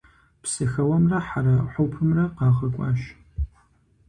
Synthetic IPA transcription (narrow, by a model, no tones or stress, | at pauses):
psɨxɐwɐmrɐħaɾɐħʷowpʰɨmrɐqɑːʁɐkʷʼɑ̰ːʃ